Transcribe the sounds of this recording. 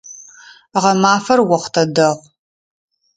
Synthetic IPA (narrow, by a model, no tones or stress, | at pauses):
ʁɐmaːfɐrwɐχʷtʰɐdɐʁ